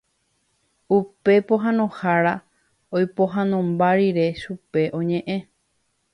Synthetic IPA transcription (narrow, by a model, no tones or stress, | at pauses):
upe̞poɦãnõhaɾa | ojpo̞ɦãnõmbaɾiɾe̞ʃupe̞ʔõ̞ɲẽ̞ʔẽ̞